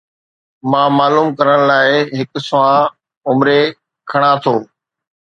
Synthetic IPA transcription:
mãːmaːluːmkɐɾəɽ̃laːɪɦɪkʊsʊʋãː | ʊmɾe | kʰɐɽ̃ãt̪ʰoː

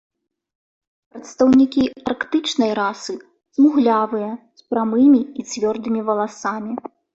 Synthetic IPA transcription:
pɾɐt̪st̪ɐwnʲikʲiɐrkt̪ɨt͡ʂnɐjɾasɨ | z̥muɣlʲavɨjɐspɾamɨmʲiit͡sʲvʲɔrd̪ɨmʲivɐlˠasamʲi

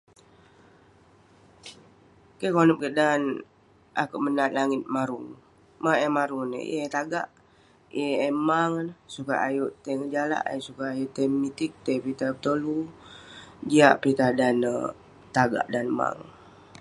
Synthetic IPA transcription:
kekonɔp̚kəʔdan | ʔa̰kuʔmənat̪̚laŋɪt̪̚maɾuŋ | maemaɾun̰et̪aɡa̰ʔ | ieːmaŋnsuka̰ʔajuʔt̪ɛŋəd͡ʒala̰ʔsukaːjoʔt̪ɛŋmit̪ik̚t̪epit̪abət̪olu | d͡ʒiaʔpit̪adan | t̪aɡa̰ʔdanma̰ŋ

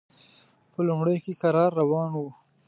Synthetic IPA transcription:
pəlʊmɽəjkekaɾɑɾːawɑnwu

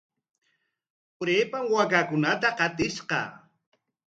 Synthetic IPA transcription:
pʊɾeːpamwakakʊnat̪aqɑt̪ɪsqɑ̰

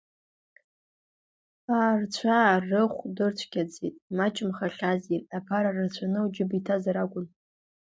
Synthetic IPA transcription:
aːrt͡ɕʷʰarɨχʷdɨrt͡ɕʷʰɡʲad͡zḭtʼmat͡ʃʼɪmχaɬʲazirapʰaɾarɨrt͡ɕʷʰanɨud͡ʒɪbitʰazaɾakʷʼʊn

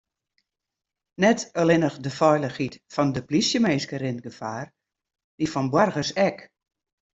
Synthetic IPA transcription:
nɛtəlɪnəxdəfɔjlˠəxitfɔndəplisjəmeːskəɾɪntɡəfaːr | d̥ifɔnbwɔrɣəsɛk

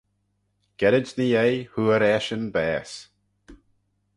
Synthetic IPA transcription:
ɡ̥ɛɾɪt͡ʃnijejhuəɾɛʃənbɛːs

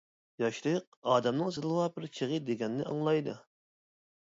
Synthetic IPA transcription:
jɑʃlɨq̚ | ɑːd̪ɛmnɨŋzɨlˠɨwɑbɪɾt͡ʃʰeʁəd̪eɡʲɛnːɪɑ̰ŋlˠɑjd̪u

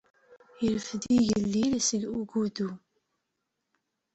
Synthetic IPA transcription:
jəlfðiʝəlːilsəɡuɡud̪u

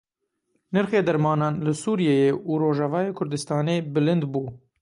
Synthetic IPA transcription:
nɨɾxeːd̪ɛɾmɑːnɑːnlɨsuːɾijeːjeːʔuɾoːʒɑvɑːjeːkʰʊɾd̪ɨst̪ɑːneːbɨlɨnd̪buː

